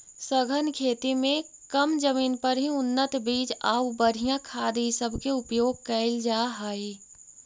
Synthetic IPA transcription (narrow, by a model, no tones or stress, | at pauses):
səɡʱənkʰeːt̪imẽkəmd͡ʒəmiːnpɐɾɦiʊnːət̪biːd͡ʒaːubəɾʱijãkʰaːd̪isəbʱkeʊpjoːɡ̚kɐɪld͡ʒaːɦaːi